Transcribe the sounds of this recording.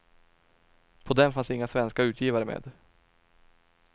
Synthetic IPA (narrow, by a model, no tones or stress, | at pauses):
pʰɔd̪ɛmfansɪŋːasvɛnskaʉ̟ːt̪ʰjiːvaɾəmḛːd̪